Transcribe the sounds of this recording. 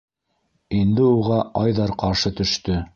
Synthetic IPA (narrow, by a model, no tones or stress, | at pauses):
ind̪ɘuʁɑɑjðɑɾqɑɾʃɤt̪ɵ̆ʃt̪ɵ